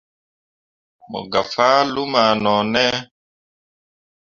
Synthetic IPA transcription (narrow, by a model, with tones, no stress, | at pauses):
mɔ̰˨ɡa˨fa˦lu˦ma˨nɔ˨nɛ˦